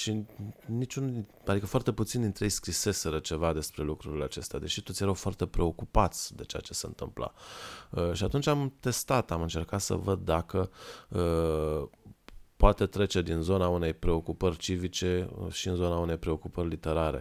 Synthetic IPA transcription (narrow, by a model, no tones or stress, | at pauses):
ʃinit͡ʃun | ad̪ikəfoart̪e̞put̪sind̪int̪ɾejejskɾise̞se̞ɾət͡ʃe̞vad̪e̞spɾe̞lukɾuɾile̞at͡ʃe̞st̪ead̪e̞ʃit̪ot̪sjeɾawfoart̪e̞pɾe̞o̞kupat̪sʲd̪e̞t͡ʃe̞a̰t͡ʃe̞seɨnt̪ɨ̰mpla̰əʃiat̪unt͡ʃamt̪e̞st̪at̪amɨnt͡ʃe̞rkat̪sə̰vəd̪ːakəə | poat̪e̞t̪ɾe̞t͡ʃe̞d̪inzo̞naune̞jpɾe̞o̞kupərʲt͡ʃivit͡ʃe̞̰ʃiɨnzo̞naune̞jpɾe̞o̞kupərʲlit̪e̞ɾaɾḛ